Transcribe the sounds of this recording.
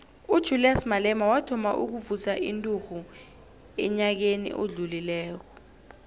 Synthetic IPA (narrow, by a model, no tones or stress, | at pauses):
ud̥ʒ̥ʱuliasmalɛmawatʰɔmaʔuk̬uvusaʔintʼuxu | ɛɲak̬enḭʔoɮulilɛːk̬ɔ